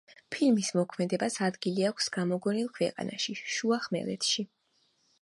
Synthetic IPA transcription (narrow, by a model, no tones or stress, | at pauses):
pʰilmismɔkʰmɛd̪ɛbasad̪ɡiliakʰsɡ̥amɔɡɔnilˠkʰwɛ̰qʼa̰na̰ʃiʃuaχmɛ̰lɛ̰t̪ʰʃi